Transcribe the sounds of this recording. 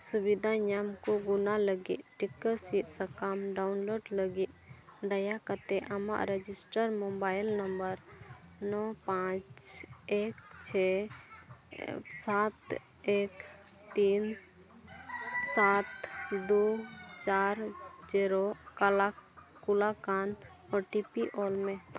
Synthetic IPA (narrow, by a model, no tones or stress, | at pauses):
subid̪ʱaɲamkoɡunaləɡḭʔʈikːəsit̪səkamɖaʊnloːɖləɡiʔd̪əjakət̪eʔama̰ʔɾed͡ʒisʈəɾmobaːjɪlnəmbəɾnɔpãt͡ʃekt͡ʃʰɛ | sat̪ | ek | t̪iːn | sat̪d̪ot͡ʃaːɾd͡ʒiɾokalakulakan | ɔɾʈipiʔɔlmẽ